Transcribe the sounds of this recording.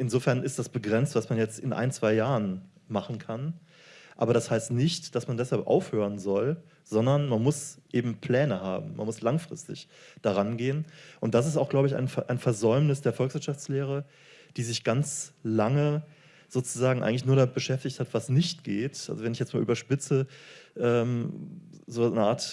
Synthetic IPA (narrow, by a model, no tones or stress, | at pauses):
ʔɪnzoːfɛɐnɪstd̥asb̥əɡʁɛnt͡stv̥asmanjɛt͡stɪnʔa̰ɪnt͡sv̥aɪjaːʁən | maχn̩kʰan | ʔa̰ːbɐɾashaɪstnɪçtd̥asmandɛshalpʔa̰ʊfhøːʁ̞ənzɔl | z̥ɔndɐnmanmʊsʔeːbm̩pʰl̥ɛːnəha̰ːbm̩ma̰nmʊslaŋfʁ̥ɪ̰stɪ̰çd̥aʁanɡeːənʔʊnt̚d̥as̬ɪsta̰ʊxɡ̥laʊbəɪça̰ɪnʔaɪnfɛɐzɔʏmnɪsd̥eːɐfɔlksv̥ɪɐtʃaft͡sleːʁ̞ə | d̥iːzɪçɡ̥ant͡slaŋə | z̥oːt͡suzaːɡŋ̩ʔa̰ɪɡŋ̩lɪçnuːɐɾamɪt̚b̥əʃɛftɪçthatv̥asnɪçtɡ̥eːtʔalzovɛnɪçjɛt͡smaːlʔyːbɐʃpɪt͡səʔɛːm | zoːnəʔaːɐt